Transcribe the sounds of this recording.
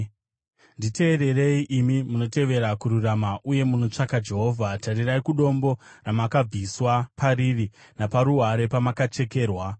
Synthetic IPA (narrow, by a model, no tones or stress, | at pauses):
ndite̞ːɾe̞re̞iʔimimuno̞te̞ʋe̞ɾakuɾuramaʔuje̞muno̞t͡ʂakad͡ʒe̞ɦo̞ːvʱatariraikuɗo̞mbo̞ramakab͡viswapʰariri | napaɾuɦaɾe̞pamakat͡ʃe̞ke̞ːrwa